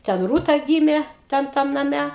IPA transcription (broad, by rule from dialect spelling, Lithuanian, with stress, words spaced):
tʲɛn ˈruːtɐ ˈɡʲiːmʲeː ˈtʲɛn ˈtɐm nɐˈmʲɛ